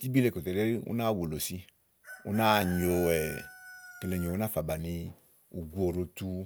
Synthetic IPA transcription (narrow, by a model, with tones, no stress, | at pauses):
ti˦bi˦le˦˨ko˨t̪e˨le˦ɾi˦ṵ˦na˦˨wo˨lo˨si˧ | ṵ˦na˦˨ɲo˨ɛ˨ke˧le˨ɲ˨o˨u˦a˦fa˨ba˨ni˧ | u˨ɡu˦o˨ɾo˧tu˦